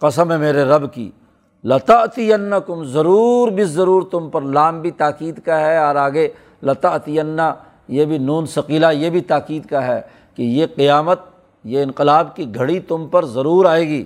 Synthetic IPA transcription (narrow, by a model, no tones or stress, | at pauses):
qɐsəmɦẽmeːɾeɾɐbkḭː | lɐt̪ɐʔt̪ijɐnːɐkʊmzɐɾuːɾbɪɐɾuːɾt̪ʊmpɐɾlaːmbʱit̪aːkiːd̪kaɦɛɔːɾaːɡe | lɐt̪ɐʔt̪ijɐnːa | jebʱinuːnsɐqiːlajebʱit̪aːkiːd̪kaɦɛ | kejeqɪjaːmət̪̚ | jeɪ̃nqɪlaːb̚kiɡʱɐɽit̪ʊmpɐɾzɐɾuːɾaːeːɡiː